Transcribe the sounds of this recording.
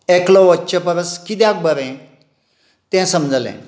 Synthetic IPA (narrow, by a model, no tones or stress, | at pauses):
eklɔʋətːɕəpəɾəskit̪jãk̚bəɾɛ̃ | t̪ɛ̃səmd͡zlɛ̰̃